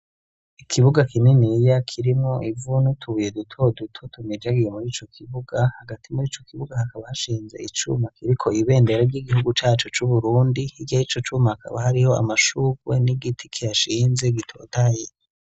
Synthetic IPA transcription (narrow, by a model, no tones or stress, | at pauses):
ikʰiβuɡakininijakʰiɾimŋoʔivunutʰuβujedutʰo̞dutʰotʰumid͡ʒaɡijemuɾiːt͡ʃo̞kʰiβuɡahaɡatʰimuɾiːt͡ʃo̞kiβuɡahakaβahaʃiːnze̞̰it͡ʃṵmakiɾikʰo̞iβe̞ːnde̞ɾeɾɟiɡihuɡut͡ʃaːt͡ʃot͡ʃuβuɾuːndihiɡahit͡ʃo̞t͡ʃuːmahakʰa̰βahaɾiho̞a̰maʃukwe̞̰niɡitʰi̥kʰijaʃiːnze̞ɡitʰo̞̰ːtaje